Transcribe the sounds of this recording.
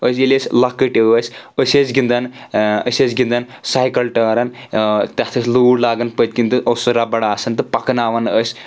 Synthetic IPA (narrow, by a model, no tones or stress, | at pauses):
əsʲelʲesʲlɐkːəʈiʋəsʲəsʲet͡sɡind̪anə̰sʲet͡sɡind̪an | saːjkɐlʈɐɾɐnt̪ʲat̪ʰɐsʲluːɽlaːɡɐnpət̪̚ʲkʲint̪ɨʔosɨɾabɐɽaːsɐnt̪ɨpɐknaːʋɐnəsʲ